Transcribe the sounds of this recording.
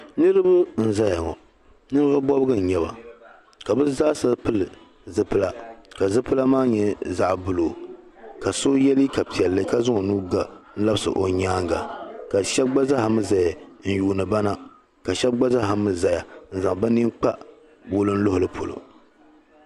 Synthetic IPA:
nɨ˦ɾɨ˦bɨ˦n̩˦za˦ja˨ŋɔ̰˨ | nɨ˦ɾɨ˦ba˦bɔ˦bɨ˦ɡɨ˦n˨ɲɛ˨βa̰˨ | ka˨bɨ˦zaː˦sa˦lpɨ˦lɨ˨ | zɨ˦pɨ˦la˨ka˨zɨ˦pɨ˦la˦maː˦ɲɛ˦za˦˨ʔbʊ˨loː˨ | ka˨so˦jɛ˦li˦ka˨pi˨ɛ˨lːɨ˦ka˦zʊ˦ŋo˨nuː˦ɡa˨n̩˦la˦bɨ˦sɨ̰˨ʔo˨ɲaː˦ŋ˦ɡa˨ka˨ʃɛ˦b̚ɡ͡ba˦za˦ha˨mɨ˦za˨ja˨n̩˨juː˨nɨ˨ba˦na˦ | ka˨ʃɛ˦b̚ɡ͡ba˦za˦ha˨mɨ˨za˨ja˨n̩˦˨za˨ŋba˦ni˦ŋk͡pa˦ | bo˦lɨ˦n̩˦lo˦hʊ˨lɨ˦pʰo˨lo̰˨

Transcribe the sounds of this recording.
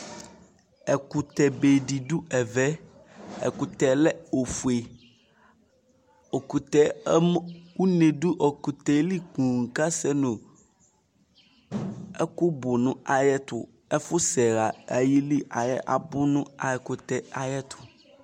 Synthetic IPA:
ɛ˨ku˨t̪ɛ˨be˨ɖi˨du˦ɛ˨vɛ˦ | ɛ̰˨ku˨t̪ɛ˨lɛ˦o˨fu˨e˨ | o˨ku˨t̪ɛ˨˦m˦wu˦ne˨du˦ʔo˨ku˨t̪ɛ˨˦li˦kũ˨ŋ̩˨ka˦sɛ˦nũ˨ | ɛ˦ku˦bʊ˨nũ˦a˨jɛ˦t̪ʊ̰˨ | ɛ˦fʊ˦sɛ˨ɣa˨a˨ji˦li˦ʔa˨jɛ̰˦ʔa̰˨bʊ˦nũ˦a˨jɛ˨kʊ˨t̪ɛ˦a˨jɛ˦t̪ʰʊ̥˨

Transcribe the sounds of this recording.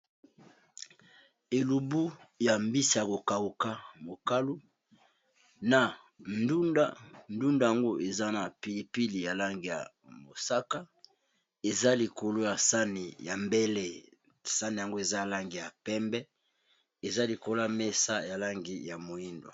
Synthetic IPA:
e˨lu˨bu˦ja˨mbi˦si˨ja˨ko˨ka˨u˨ka˦mo˨ka˦lu˦ | na˨ | ndu˦nda̰˦ndu˦nda˨ja˨ŋɡo˦ʔe˨za˦na˨pi˨li˨pi˦li˨ja˨la˦ŋɡi˨ja̰˨ | mo˨sa˦ka˦ | e˨za˦li˨ko˨lo˦ja˨sa˦ni˨ja˨mbe˦le˦ | sa˦ni˨ja˨ŋɡo˦e˨za˦˨la˦ŋɡi˨ja˨pɛ˦mbɛ˦ | e˨za˦li˨ko˨lo˦ja˨me˦sa˦ja˨la˦ŋɡi˨ja˨mo˨i˦ndo̰˨

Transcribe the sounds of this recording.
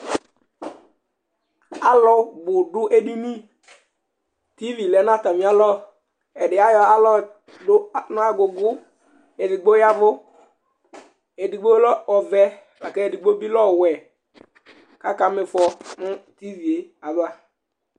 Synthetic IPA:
a˦lɔ˦bʊ˨dʊ˦ʔe˦di˦ni˦ | ti˦vi˨lɛ˨˦n˦a˦˨ta˨mi˨˦a˦lɔ˦ | ɛ˨dɪ˨a˦jɔ˦a˦lɔ˦ | dʊ˦˨n˦a˦ɡʊ˨ɡʊ˦ | e˨dɪ˨ɡ͡bo˦ja˦vʊ˦ | e˨di˨ɡ͡bo˦lɔ˦ɔ˨vɛ˦ | la˨kɛ˦e˨di˨ɡ͡bo˦bi˦lɔ˦˨wɛ˨ | ka˦ka˨mɪ˨fɔ˨mʊ˦ti˦vi˨e˨a˨ba˦

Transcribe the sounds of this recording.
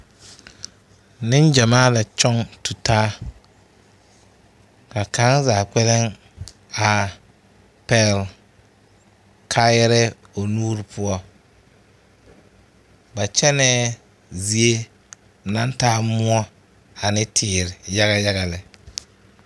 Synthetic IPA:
nɪ˦nd͡ʒa˨maː˦la˨t͡ʃɔ˦ŋtu˨taː˦ | ka˨ka˨˦ŋzaː˨k͡pɛ˦lɪ˦ŋ | a˨ | pɛ˨l | kʰaː˦jɛ˦ɾɪ˦ | o˨nuː˦ɾɪ˨pʰʊ˦ɔ˦ | ba˨t͡ʃɛ˦nɛː˦ | zi˦e˦˨ | na˦ntaː˦mʊ˦ɔ˦ | a˨nɪ˦tʰɪː˨ɾɪ˨ja˦ɣa˦ja˦ɣa˨lɪ˨

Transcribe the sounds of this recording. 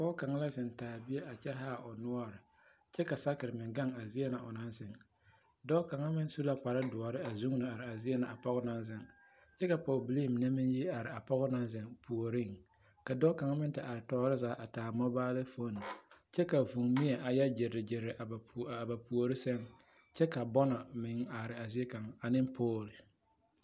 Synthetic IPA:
bɔ˦ka˨ŋa˦la˦zɪ˨ntaː˨bi˦e˦ʔa˨t͡ʃɛ˦ɦaː˦˨ʊ˨nʊ˦ɔ˦ɾɪ˨ | t͡ʃɛ˦ka˨sa˦kɪ˨ɾɪ˨mɪ˨ŋɡa˦˨ŋa˨zi˦e˦na˨ʔʊ˨na˦nsɪ˨ŋ | dɔ˦ka˨ŋa˦mɪ˦n˦su˦la˦k͡pa˨ɾɪ˦dʊ˨ɔ˨ɾɪ˦a˨zu˦ŋ˦nɨ˨a˨ɾɪ˨a˨zi˦e˦na˨ʔa˨pɔ˦ɣʊ˦na˦nzɪ˨ŋ | t͡ʃɛ˦ka˨pɔː˨bli˦˨m˨na˦mɪ˦nji˦a˨ɾɪ˨a˨pɔ˦ɣʊ˦na˦nzɪ˨ŋpʰu˨o˨ɾi˦ŋ | ka˨dɔː˦ka˨ŋa˦mɪ˦n˦tɪ˨ʔa˨ɾɪ˨tɔː˦ɾɪ˦zaː˦ʔa˨taː˨mɔ˦baː˦lɪ˦fo˦ni˨t͡ʃɛ˦ka˨vu˨ŋmi˦ɛ˨ʔa˨ja˦d͡ʒɪ˨ɾɪ˨d͡ʒɪ˨ɾɪ˨ʔa˨ba˨a˨ba˨pu˨o˨ɾɪ˦sɛ˦ŋ | t͡ʃɛ˦ka˨bɔ˦nɔ˨mɪ˨ŋa˨ɾɪ˨a˨zɪ˦e˦ka˨ŋa˨nɪ˦mpʰoː˦˨lɪ˨

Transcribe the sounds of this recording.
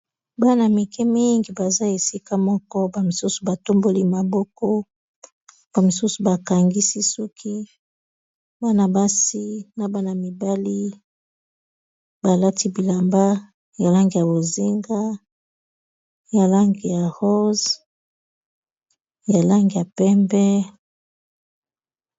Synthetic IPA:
ba˦na˨mi˨kʰɛ˦mi˦ŋɡi˨ba˨za˦e˨si˦ka˦mɔ˦kɔ˦ba˨mi˨su˦su˨ba˨to˦mbo˦li˦ma˨bɔ˦kɔ˦ | b̥a˨mi˨su˦su˨ba˨ka˨ŋɡi˦si˦sɔ˦kʰi˦ | ba˦na˨ba˦si˦na˨ba˦na˨mi˨ba˦li˦ | ba˨la˦ti˦bi˨la˨mba˦ | ja˨la˦ŋɡi˨ja˨bo˨zi˦ŋɡa˦ | ja˨la˦ŋɡi˨ja˨ho˦z | ja˨la˦ŋɡi˨ja˨pɛ˦mbɛ˦

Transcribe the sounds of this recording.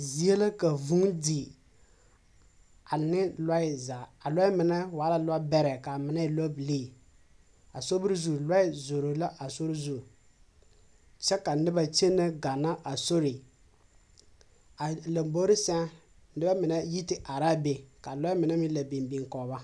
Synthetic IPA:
zi˨e˦la˦ka˨vu˦ŋdi˨ | a˨nɪ˦la˦ɪ˦za˨a˨lɔ˦ɪ˦mɪ˨nɛ˦waː˨˦la˦la˦bɛ˦ɾɛ˨ka˨mɪ˨na˦˨lɔ˦bi˨leː˦˨ | a˨so˦bɪ˦ɾzu˦˨la˦ɪ˦zo˨ɾo˨la˦ʔa˨so˦ɾi˦zu˦˨ | t͡ʃɛ˦ka˨nɪ˦ba˨t͡ʃe˦nːa˦ɡa˨na˦ʔa˨so˦ɾi˨ | a˨la˨mbo˦ɾɪ˦sɛ˦n | n̩˦ɪ˦ba˦mɪ˨nɛ˦ji˦tɪ˦ʔa˨ɾa˦be˨ka˨lɔ˦ɪ˦mɪ˨nɛ˦mi˦la˨be˨mbi˨ŋkɔː˨ba˦

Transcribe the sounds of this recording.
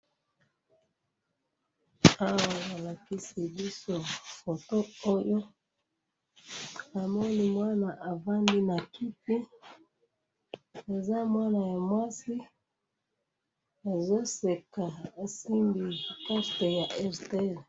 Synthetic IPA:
a˦wa˨a˨la˨ki˦si˨bi˦so˨fo˨to˦o˦jo˦ | a˨mo˦ni˨mwa˦na˨ʔa˨va˦ndi˦na˨ki˦pi˦ | e˨za˦mwa˦na˨ja˨mwa˦si˦ | e˨zo˦se˨ka˨a˨si˦mbi˨ka˦ste˨ja˨ʔɛ˦˨ʁte˦˨l

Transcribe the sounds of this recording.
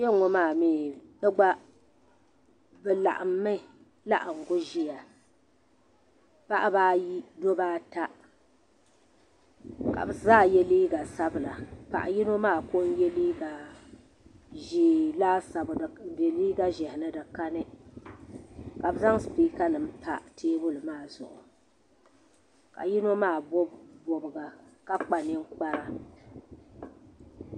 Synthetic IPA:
jɛ˦ŋɔ˦maː˦˨miː˦dɨ˦ɡ͡ba˦ | bɛ˨la̰˨ʔa˨mːɨ˦˨ | la˦ʔa˨ŋ̩˨ɡʊ˦ʒi˦ja˨ | pa˦ʔa˦baː˦ji˦do˦baː˦ta˦ | ka̰˨bɨ˨zaː˦˨jɛ˦liː˦ɡa˨sa˦bɨ˨la˨pa̰˨ʔa˨ji˦no˦maː˦˨ko˦n˦jɛ˦liː˦ɡa˨ | ʒi˦laː˦sa˨bde˨liː˦ɡa˦ʒɛ˨hɪ˨nɨ˦dɨ˨ka˦nɨ˦ | ka˨bɨ˨za˦ŋ˦spiː˦ka˦nɨ˨m̩˦pa˦tʰeː˦bʊ˦lɨ˨maː˦˨zʊ̰˨ʔʊ̰˨ | ka̰˨ji˦no˦maː˦˨bbo˨bɨ˨ɡa˨ka˦k͡pa˨nɪ˦ŋk͡pa˦ɾa˨

